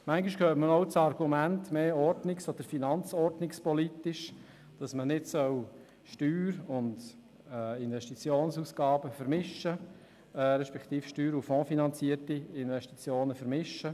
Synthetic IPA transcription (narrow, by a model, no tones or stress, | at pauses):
mæŋɡɪʃkʰøːtmənoʊt͡sɑɾɡ̥umæntmeːɔɾdnɪksɔd̪̥əɾfinɑnt͡sɔɾdnɪkspɔlit̪ɪʃ | d̥ɑsmənɪdsœw | ʃtyːɾʊnd | ɪnʋɛʃtit͡sjoːnsuːsɡ̥ɑːbəfəɾmɪʃːə | ɾɛʃpɛkt̪iːfʃtyːɾufɔ̃ːfinɑnt͡siəɾtiɪnʋɛʃtit͡sjoːnəfəɾmɪʃːə